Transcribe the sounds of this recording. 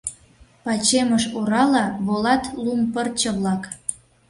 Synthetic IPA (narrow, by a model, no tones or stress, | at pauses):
pɑt͡ɕeməʃoɾɑlɑβolɑt̪lumpərt͡ɕə̆βlɑk